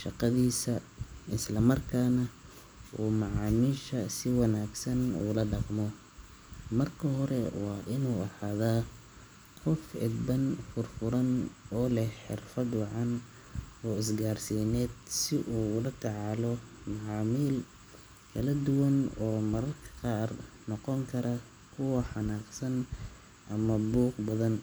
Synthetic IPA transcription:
ʃɑqɑðiːsɐ | ɪslɐmɐrkʰaːnɐ | ʔuːmɑʕɑːmiːʃɐsɪwɑnaːɡsɐnṵːlɐɖɑqmɔ | mɐrkʰɐɦɔɾɛwɑːʔɪnuːɐħaːðaː | qɔfɪ̰d̪bɐnfʊrfʊɾɐnɔːlɛhħɪ̰rfɐd̪wɑʕɑn | ɔːɪsɡaːrsiːnɛːd̪sɪʔuːʊlɐt̪ʰɑʕɑːlɔmɑʕɑːmiːl | kʰɐlɐd̪ʊwɐnɔːmɐɾɐrkʰɐ̥qɑːrnɔqɔŋkʰɐɾɐ | kʰʊwɐħɑnaːqsɐn | ʔɐmɐbuːqbɐðɐn

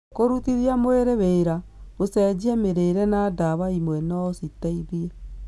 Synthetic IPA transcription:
koɾutiɾiamoeɾeβeɾaosɛd͡ʑiɛmeɾeɾɛnadaβaimwɛnɔsitaiðiɛ

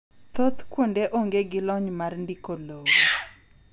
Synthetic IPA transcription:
t̪ot̪kwondeʔoŋɡeɡɪlɔɲmarndikolowo

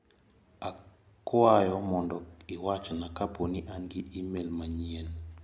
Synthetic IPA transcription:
a | kʊajɔmɔndɔkiwat͡ʃɔnakaponiʔanɡɪʔimelmaɲiel

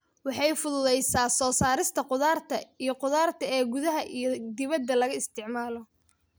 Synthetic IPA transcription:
wɑħɑjfʊðʊðɛjsaːsɔːsaːɾɪst̪ʰɐqʊðaːrt̪ʰɐijɔqʊðaːrt̪ʰɐɛːɡʊðɐɦɐʔijɞd̪ɪβɐd̪ːɐlɐɣɐɪst̪ʰɪʕmaːlɔ

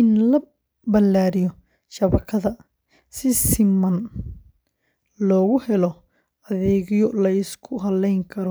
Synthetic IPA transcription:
ɪnlɐ | bɐlːaːɾɪjɔ | ʃɐβɐkʰɐðɐ | sɪsɪmɐn | lɔːɣʊhɛlɔ | ɐðɛːɣɪjɔlɐɪskʰʊɦɐlɛjŋkʰɐɾɔ

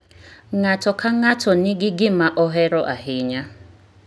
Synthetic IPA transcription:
ŋatɔkʰaŋatʰɔnɪɡɪɡɪmaʔɔɦɛɾɔʔaɦɪɲa

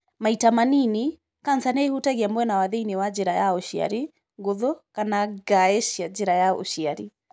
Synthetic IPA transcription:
maitamanini | kansanɛhutaɣiambwɛnawaðeiniwad͡ʒɛɾajaɔʃia̰ɾi | ɡoðɔkanaɡaɛʃiad͡ʒɛɾajao̰ʃiaɾi

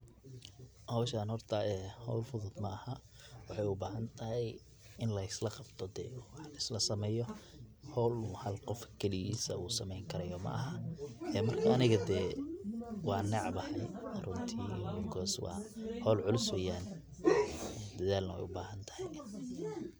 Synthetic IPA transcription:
hɐwʃaːnhɔrt̪ʰɐʔɛːhɔwlfʊðʊd̪mɐɐhɐ | wɑħɑjʊbaːɦɐnt̪ʰɐɦɛj | ɪnlɐɪslɐqɑbt̪ʰɔd̪ɛ̰ːwħlɐɪslɐsɐmɛːjɔ | hɔlmʊhɐlqɔfkʰɛlijiːsɐuːsɐmɛjŋkʰɐɾɐjɔmɐ̰ʔɐɦɐʔɛːmɐrkʰɐɐnɪɣɐd̪ɛː | wɑːnɛʕbɐhɐjɐrʊnt̪ʰiːɔɡɔːswɑ̰ːhɔːlʕʊlɪswɛjaːn | d̪ɐðaːlnɐwɛ̰jʊbaːɦɐnt̪ʰɐ̥hɛj

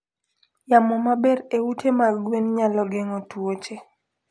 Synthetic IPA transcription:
jamɔmabɛɾeutʰemaɡwenɲalɔɡɛŋɔtwot͡ʃe

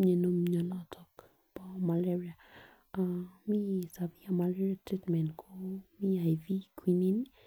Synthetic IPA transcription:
ɲenomɲɔlɔtʰɔk | bɔmalɛɹia | amisaviamalɛɾiatɾitmɛ̃nkʰomiajvikʰwinin

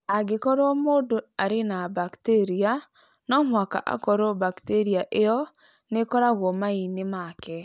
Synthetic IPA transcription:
aɡekɔɾomodoaɾenabakteɾia | nɔmwaka̰ʔa̰kɔɾobakteɾiaʔeɔ | nekɔɾaɣwɔmainemakɛ

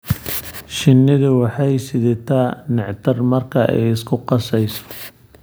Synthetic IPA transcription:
ʃɪnːɪðʊwɑħɑjsɪðɛt̪ʰanɪʕt̪ʰɐrmɐrkʰɐʔɛ̰jɪskʰʊqɑsɛjsɔ̥

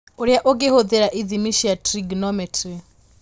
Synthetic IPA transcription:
oɾjaʔoɡehoðeɾaʔiðimiʃijatʰɾiɡnɔmɛtʰri

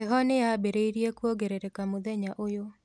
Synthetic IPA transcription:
eɦɔneabeɾeiɾjekwoɡeɾeɾekamoðɛɲaʔojo

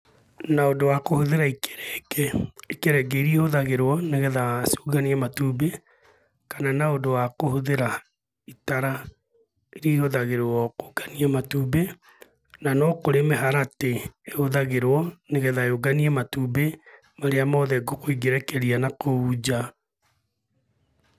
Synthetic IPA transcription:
naodowakohoðeɾaike̥ɾɛɡɛikeɾɛɡɛiɾiehoðaɣeɾwɔneɣɛðasu̥ːɡaniɛmatuːbe | kananaodowakohoðeɾa | itaɾa | iɾihoðaɣeɾowɔkoɡ̥aniamatube | nanɔkoɾemeɦaɾateehoðaɣeɾwɔneɣɛðaeoɡaniɛmatube | maɾeamɔðɛɡokoiɡeɾɛkɛɾianakoud͡ʑa

